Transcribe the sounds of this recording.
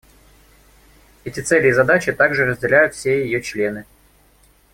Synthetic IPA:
ɛtʲɪt̪sɛlʲɪjːzɐd̪at͡ɕɪt̪aɡʐɨrəzʲdʲɪlʲæjʊt̪fsʲe̞jɪjot͡ɕlʲe̞nɨ

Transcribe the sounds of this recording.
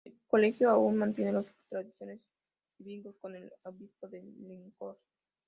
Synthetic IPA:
ekolexjoaunmãnt̪jenelost̪ɾaðisjo̞nez | d̪iβind̪oskonelaβispoðeleŋkos

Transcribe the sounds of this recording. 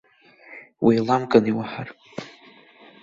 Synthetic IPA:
wijlamkʼaniwaħar

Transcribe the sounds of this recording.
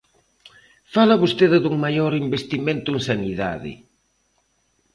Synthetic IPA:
falaβost̪eðɪðuŋmajoɾimbest̪imẽnt̪ʊeŋsaniða̰ðɪ̰

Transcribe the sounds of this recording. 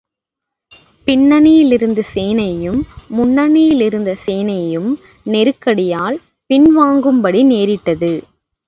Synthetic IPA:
pɪɳːɐnɪjɪlɪɾɯnd̪ɯseːnɐjɯmːʊɳːɐnɪjɪlɪɾɯnd̪ɐseːnɐjɯm | nɛɾɯkːɐɽɪjaːl | pɪnʋaːŋɡɯmbɐɽineːɾɪʈːɐðɯ

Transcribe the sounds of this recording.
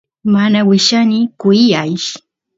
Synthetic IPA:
manawɪʃanɪkʊjajʃ

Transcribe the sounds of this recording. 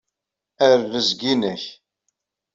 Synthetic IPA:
æɾvəzɡinæç

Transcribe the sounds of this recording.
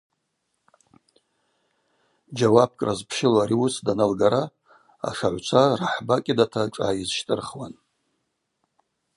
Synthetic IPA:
d͡ʒawab̚kʼrazpʰʃɪlaɾiusdanalɡaɾa | a̰ʂaʕʷt͡ʃʷʰaraħbakʲʼɪdatʰakʷʼa̰ːizʃtʼɨrχwan

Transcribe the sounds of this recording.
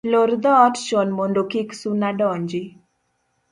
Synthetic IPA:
loɾd̪ɔtʃɔnmondokiksunaɖɔɲd͡ʒi

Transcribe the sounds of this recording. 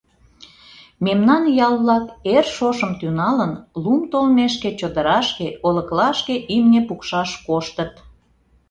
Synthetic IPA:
memnɑnjɑlˠβlɑkerʃoʃəmt̪ynɑlənlumt̪olmeʃket͡ɕod̪əɾɑʃkeoləklɑʃkeʔimnepukʃɑʃkoʃt̪ət̪

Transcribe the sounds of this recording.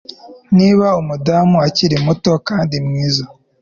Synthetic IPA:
niːβaumudamuaciɾimuto̞kaːndimŋiːza

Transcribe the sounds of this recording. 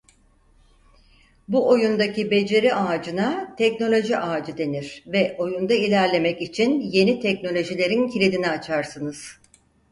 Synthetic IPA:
buʔo̞jund̪acibe̞d͡ʒe̞ɾiʔaːd͡ʒɯnat̪ʰɛcno̞lʲo̞ʒiʔaːd͡ʒɯd̪e̞niɾ̥vɛʔo̞jund̪ailʲæɾlʲe̞mɛcit͡ʃʰinje̞nit̪ʰɛcno̞lʲo̞ʒilʲe̞ɾincʰilʲid̪iniat͡ʃʰaɾsɯnɯz̥

